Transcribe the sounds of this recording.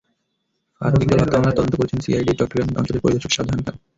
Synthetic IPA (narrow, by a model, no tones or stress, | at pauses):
a̰ɾod̪ik̚d̪ɔlat̪ːabonaɾt̪ɔd̪ont̪okoɾet͡ɕʰensḭajɖiʈɔkʈːɾanɔ̰nt͡ɕoleɾpo̰ɾid̪oʃokʃad̪ʱaɾonʈ̪a